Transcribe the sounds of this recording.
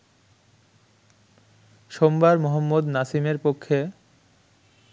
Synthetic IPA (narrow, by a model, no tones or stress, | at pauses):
ʃombaɾmoɦomːod̪nasimeɾpokʰːe